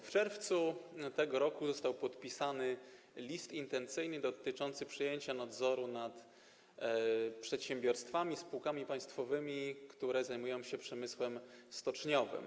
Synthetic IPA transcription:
ft͡ʂɛɾft̪sut̪ɛɡɔɾɔkuzɔst̪awpɔt̪pʲisanɘ | lʲist̪int̪ɛnt̪sɘjnɘd̪ɔt̪ɘt͡ʂɔnt̪sɘpʂɨjeɲt͡ɕanad̪zɔɾunat̪ | pʂɛt̪ɕɛmbʲjɔɾst̪famʲispuwkamʲipaj̃st̪fɔvɘmʲikt̪uɾɛzajmujɔ̃w̃ɕɛpʂɛmɘswɛmst̪ɔt͡ʂɲɔvɘ̰m

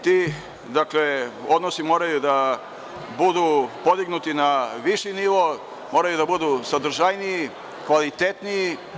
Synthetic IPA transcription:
t̪iː | d̪akleo̞d̪nosimo̞ːɾajud̪a | bud̪upod̪iɡnut̪inaʋiʃiniʋo̞ | mo̞ːɾajud̪abud̪usad̪ɾ̩ʒajnii | kʋalit̪et̪niji

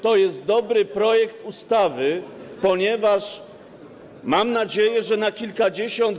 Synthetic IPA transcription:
t̪ɔjɛst̪̚d̪ɔbɾɘpɾɔjɛkt̪ust̪avɘpɔɲɛvaʂ | mamnad͡ʑejɛʐɛnakʲilkad͡ʑeɕɔnt̪

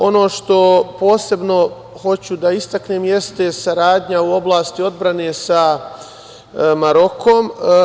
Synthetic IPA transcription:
o̞no̞ːʃt̪o̞po̞ːse̞bno̞ | ho̞t͡ɕud̪aist̪akneːmje̞st̪e̞saɾaːd̪ɲauo̞blˠaːst̪io̞d̪bɾane̞ːsa | maɾo̞kʰom

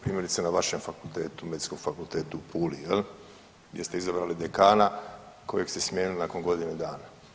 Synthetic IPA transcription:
pɾiːmjeɾit̪senaʋaʃemfakult̪eːt̪umed̪itsko̞ɡ̥fakult̪eːt̪uupʰuːlijel | ɡd̪je̞st̪eizabɾaːlid̪ekaːna | ko̞jeksesmʲjeːnilnako̞nɡo̞d̪ined̪aːna

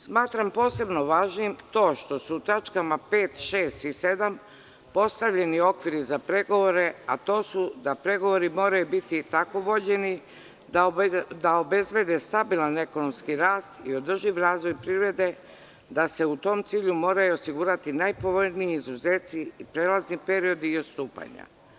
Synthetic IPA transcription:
smaːt̪ɾampo̞ːse̞bno̞ʋaːʒnimt̪o̞ːʃt̪o̞suːt̪at͡ʃkamape̞ːt̪ʃe̞ːst̪ise̞d̪am | po̞st̪aʋʎe̞nio̞kʋiɾizapɾe̞ɡo̞ʋo̞ɾe̞at̪o̞ːsud̪apɾe̞ɡo̞ʋo̞ɾimo̞ːɾajubit̪it̪ako̞ʋo̞d͡ʑe̞ni | d̪ad̪aobe̞zbe̞d̪e̞st̪abilˠane̞ko̞no̞mskiɾaːst̪io̞d̪r̩ʒiʋɾaːzʋo̞jpɾivɾe̞d̪e̞ | d̪ase̞ut̪o̞ːmt̪siːʎumo̞ːɾajuosiɡuːɾat̪inajpo̞ʋo̞jnijeizuzeːt̪siipɾe̞ːlaznipe̞ɾio̞d̪iːot̪st̪uːpa̰ɲa̰

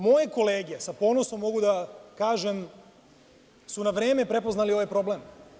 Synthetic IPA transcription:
mo̞jeko̞leːɡijesapo̞ːnoso̞mːo̞ɡud̪akaːʒem | sunaʋɾeːme̞pɾe̞poznalio̞ʋajpɾo̞blem

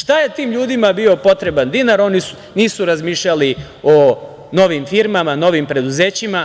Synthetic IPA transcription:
ʃt̪aje̞t̪iːmʎuːd̪imabio̞po̞t̪ɾe̞band̪inaɾo̞nisu̥ | niːsuɾazmiːʃʎali | o | no̞ʋimfiɾmamano̞ʋimpɾe̞d̪uze̞ːt͡ɕima

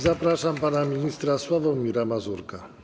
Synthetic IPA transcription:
zapɾaʂampanamʲiɲist̪ɾaswavɔ̃wmʲiɾamazuɾka

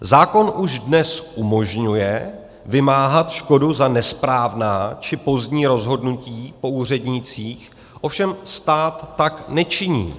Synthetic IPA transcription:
zaːko̞nʔuʒdnɛsʔumo̞ʒɲujɛ | vɪmaːɦat̪ʃko̞duzanɛspɾaːvnaːt͡ʃɪpo̞zdɲiːɾo̞zɦo̞dnuciːpo̞uːr̝ɛdɲɪt͡siːx | ʔo̞fʃɛmst̪aːt̪ːaknɛt͡ʃɪɲḭː

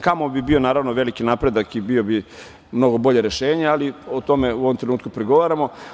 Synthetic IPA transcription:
kamo̞bibio̞naːɾaʋnoʋe̞likinapɾe̞d̪akibiobi | mno̞ɡo̞bo̞ʎeɾe̞ʃeːɲealiot̪o̞meuʋomt̪ɾenuːt̪kupɾeɡo̞ʋaɾamo̞

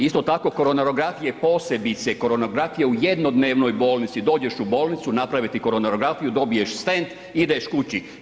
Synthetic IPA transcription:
ist̪o̞t̪ako̞ko̞ɾonaɾoɡɾafijepo̞ːse̞bit̪se̞ko̞ɾo̞noɡɾafijeujed̪no̞d̪neːʋno̞jbo̞ːlˠnit̪sid̪o̞ːd͡ʒe̞ʃubo̞ːlˠnit̪sunapɾaʋit̪iko̞ɾonaɾo̞ɡɾafijud̪o̞bije̞ʃst̪ent̪ | id̪eʃkut͡ɕi

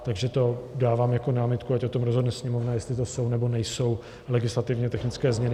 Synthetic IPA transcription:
t̪aɡʒɛt̪o̞daːvaːmjakonaːmɪt̪kuacot̪omɾozɦodnɛsɲɛmovnajɛst̪lɪt̪oso̞wnɛbo̞nɛjso̞w | lɛɡɪslat̪ɪvɲɛt̪ɛxnɪt͡skɛːzmɲɛnɪ

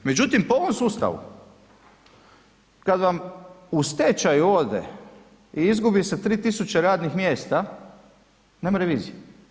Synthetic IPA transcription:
me̞d͡ʑut̪impooʋo̞msuːst̪a̰ʋṵ | kad̪ʋamust̪et͡ɕajuoːd̪ḛ | iizɡubise̞t̪ɾiːt̪isut͡ɕeɾaːd̪nixmjeːst̪a | neːmaɾeʋiːzije

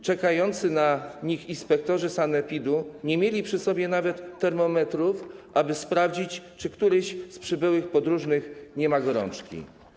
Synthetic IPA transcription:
t͡ʂɛkajɔnt̪sɘnaɲixinspɛk̚t̪ɔʐɘsanɛpʲid̪uɲɛmʲjelʲipʂɘsɔbʲjɛnavɛt̪ːɛɾmɔmɛt̪ɾufʔabɘspɾavd͡ʑit͡ɕt͡ʂɘkt̪uɾɛɕspʂɘbɘwɘxpɔd̪ɾuʐnɘxɲɛmaɡɔɾɔ̰nt͡ʂkʲḭ

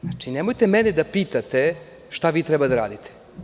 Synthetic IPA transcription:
at͡ʂinemo̞jt̪e̞mɛned̪apiːt̪at̪e̞ | ʃt̪aʋiːt̪ɾɛbad̪aɾa̰ːd̪it̪ʰe̥

